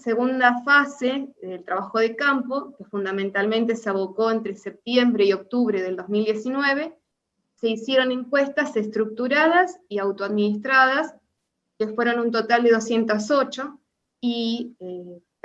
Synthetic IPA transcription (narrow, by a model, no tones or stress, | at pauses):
seɣund̪afaseðelt̪ɾaβaxoð̞ekampo̞kefund̪amẽnt̪almẽnt̪e̞seaβoko̞ent̪ɾesep̚t̪je̞mbɾeio̞k̚t̪uβ̞ɾe̞ðe̞ld̪o̞zmild̪je̞sinwe̞β̞e̞ | se̞isje̞ɾo̞ne̞ŋkwe̞st̪ase̞st̪ɾuk̚t̪uɾað̞asiawt̪oaðminist̪ɾaðas | kefweɾo̞nunt̪̬o̞t̪ald̪e̞ðosje̞nt̪aso̞t͡ʃo̞ | i